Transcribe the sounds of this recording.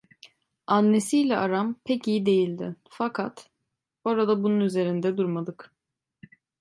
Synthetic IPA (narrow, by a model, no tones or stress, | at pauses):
anːe̞sijlʲɛʔaɾampʰɛcijid̪e̞jilʲd̪ɪfakʰat̪ | o̞ɾad̪abununyze̞ɾind̪ɛd̪uɾmad̪ɯk